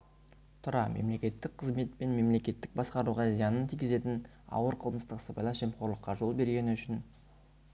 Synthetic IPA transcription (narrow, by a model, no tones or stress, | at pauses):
t̪ʰʊɾɑmʔe̞̰mle̞kʲe̞t̪ːɪk̚qʰəzme̞t̪̚pe̞nme̞mle̞kʲe̞t̪ːɪk̚bɑsqɑɾuʁɑzijɑnənt̪ʰijɡʲɪze̞t̪ɪn | ɑ̰wəɾqʰəlˠməst̪əqsəpɑjlˠɑʒ̥e̞mqʰo̞ɾlˠəqːɑʒo̞lˠbe̞ɾɡʲe̞nɪʏʃɪn